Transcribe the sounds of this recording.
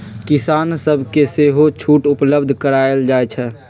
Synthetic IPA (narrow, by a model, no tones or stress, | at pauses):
kɪsaːnsəbʱkeseːɦot͡ʃʰuːʈʊpləbd̪ʱkəɾaeld͡ʒaːɛt͡ʃʰɛ